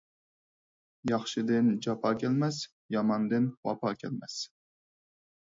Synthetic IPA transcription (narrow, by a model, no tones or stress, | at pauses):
jɑχʃɨd̪ɪnd͡ʒɑpʰɑːkʲɛlmɛs | jɑmɑnd̪ɨnwɑ̰pʰɑːkʲʰɛ̰lmɛs